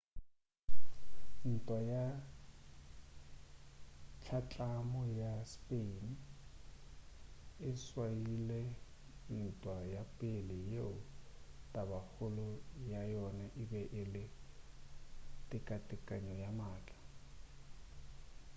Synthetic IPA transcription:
n̩tʼwaja | t͡ʃʰat͡ɬʼamɔjaspʼen̩ | ɪswailɛ | n̩tʼwajapʼelɪjeʊtʼabahʊlʊjajɔnaʔɪbɛʔɪlɪ | tʼɪkʼatʼɪkʼaɲɔjamaːt͡ɬʼḁ

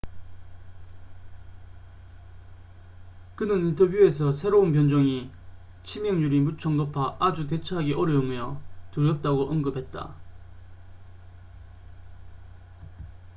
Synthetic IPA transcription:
kɯnɯnintʰʌbjue̞s̬ʰʌsʰe̞ɾounpjʌnd͡ʑʌŋi | t͡ɕʰimjʌŋɲuɾimut͡ɕʰʌŋnopʰaʔad͡ʑut̬e̞t͡ɕʰaɦaɡiʔʌɾjʌumjʌtuɾjʌp̚t͈aɡoʔʌŋɡɯpʰe̞t̚t͈a̰

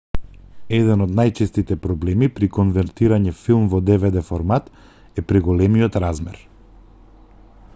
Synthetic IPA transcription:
ɛd̪ɛnɔd̪najt͡ʃɛst̪it̪ɛpɾɔblɛmipɾikɔnvɛɾt̪iɾaɲɛfilˠmvɔd̪ɛvɛd̪ɛfɔɾmat̪ | ɛpɾiɡɔlɛmiɔt̪ɾazmɛ̰ɾ

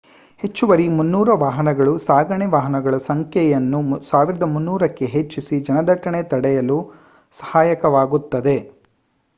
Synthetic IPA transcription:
he̞t͡ʃːuʋɐɾimunːuːɾɐʋaːɦɐnɐɡɐɭusaːɡɐɳeʋaːɦɐnɐɡɐɭɐsɐŋkʰjɛjɐnːusaːʋiɾɐd̪ɐmunːuːɾɐkːe̞ɦet͡ʃːisid͡ʒɐnɐd̪ɐʈːɐɳet̪ɐɽɛjɐlu | sɐ̥haːjɐkɐʋaːɡut̪ːɐd̪e̞

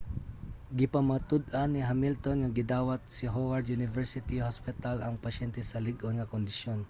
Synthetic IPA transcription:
ɡɪpamat̪ʊd̪anɪɦamɪlt̪onŋaɡɪd̪aːwat̪̚sɪɦowaɹd̪junɪvɛɹsɪt̪ihɔspɪt̪alaŋpɐʃɛnt̪ɛsɐlɪɡonŋakond̪ɪʃjon

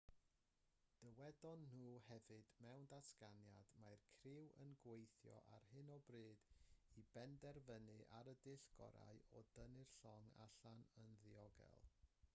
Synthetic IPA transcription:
d̥əwɛdɔnːuːhɛvɨdmɛwndaskanjad̥majrkʰrɪwə̰nɡwejθjɔ̰ʔarhɨnɔbrɨːd̥ibɛndɛrvənɨʔaɾədɪɬɡ̥ɔ̰ɾa̰ɨɔd̥ənɨrɬɔŋa̰ɬanənðɪɔɡɛ̰lˠ

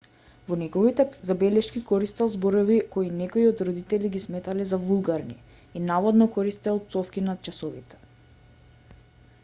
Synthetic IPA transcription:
vɔnɛɡɔvit̪ɛzabɛlɛʃkikɔɾist̪ɛlˠzbɔɾɔvikoinɛkoiɔd̪ɾɔd̪it̪ɛliɡismɛt̪alɛzavulˠɡaɾni | inavɔd̪nɔkɔɾist̪ɛalˠp̪sɔfkinat̪t͡ʃasɔvḭt̪ɛ̥

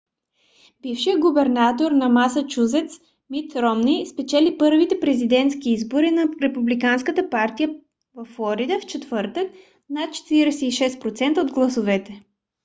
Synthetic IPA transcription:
b̥ifʃijəɡubɛɾnat̪oɾnɐmasət͡ʃuzɛt̪s | mit̪ɾɔmnispɛt͡ʃɛlipɤɾvit̪ɛpɾɛzid̪ɛnt̪skiizboɾinɐɾɛpublikanskət̪əpaɾt̪ijə | vɐfːlˠɔɾid̪əft͡ʃɛt̪vɤɾt̪ək̚ | nat̪̚t͡ʃɛ̥t̪iɾɛsɛiʃɛspɾot̪sɛnt̪əod̪ɡlˠɐsovɛt̪ɛ

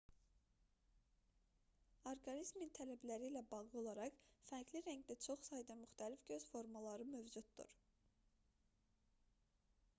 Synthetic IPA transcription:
oɾɡɑnizmint̪ʰælæblæɾiːlæbɑɣlˠɯo̞lˠɑɾɑχfæɾɡliɾæɲɟd̪æt͡ʃʰo̞χsɑjd̪ɑmyxt̪ʰælifɟø̞z̥fo̞ɾmɑlˠɑɾɯmøvd͡ʒud̪d̪̥ṵɾ

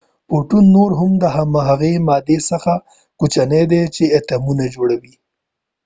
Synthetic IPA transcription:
poʈunːoɾɦʊmd̪əɦamaɦaɣemɑd̪esəxa | kut͡ʃaned̪et͡ʃeet̪amunad͡ʒoɽawi

